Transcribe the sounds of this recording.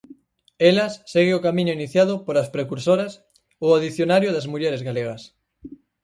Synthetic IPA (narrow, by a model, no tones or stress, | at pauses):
elɐsːeɣeokamĩɲʊiniθjaðʊpoɾaspɾekuɾsoɾɐs | oaðiθjonaɾjoðɐzmuʎɛɾezɣaleɣ̞ɐs